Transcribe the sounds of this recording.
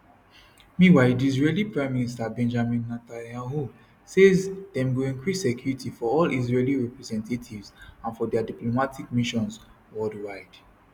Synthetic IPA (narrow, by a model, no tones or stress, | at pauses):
miwaɪdizɹelipɹãɪ̃mːinistabɛ̃nd͡ʒamĩnːatãnjaɦu | sezdɛ̃mɡuĩŋkɹisɛkjuɹitifɔɔlizɹeliɹɛpɹɛzɛ̃ntʰetʰivzãnfɔdɛadiplomatʰikmiʃɔ̃ns | wɔdwaɪd